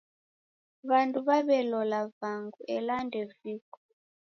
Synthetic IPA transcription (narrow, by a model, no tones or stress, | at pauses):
βanduβaβɛlɔlavaŋɡuʔɛlandɛviːkɔ̥